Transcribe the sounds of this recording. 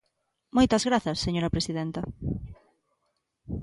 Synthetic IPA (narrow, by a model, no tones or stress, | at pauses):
mojt̪ɐzɣɾaθɐsːeɲoɾapɾesiðent̪ɐ